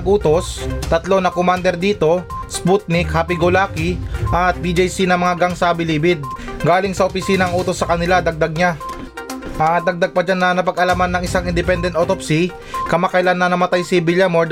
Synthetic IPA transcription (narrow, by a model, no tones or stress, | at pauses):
ʔuːt̪o̞st̪ɐt̪lo̞nɐkomand̪ɛɾd̪iːt̪o̞sput̪̚nɪkhapɪɡolaːkiʔɐt̪̚bid͡ʒjsinɐmɐŋaɡaŋsabɪlibɪd̪̚ɡaːlɪŋsɐʔopɪsiːnɐɐŋʔuːt̪o̞sːɐkɐnɪlad̪ɐɡ̚d̪ɐɡ̚ɲa | ʔad̪ɐɡ̚d̪aɡ̚pɐd͡ʒanːɐnɐpɐɡʔɐlamanːɐŋʔɪsaŋɪnd̪ɪpɛnd̪ɛnt̪ʔot̪opsi | kɐmakɐjlanːɐnɐmɐt̪ajsɪbɪljamo